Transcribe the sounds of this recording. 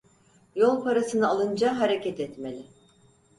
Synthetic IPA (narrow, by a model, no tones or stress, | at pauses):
jo̞lˠpʰaɾasɯnɯalˠɯnd͡ʒaɦaɾecʰɛt̪ɛt̪me̞lʲɪ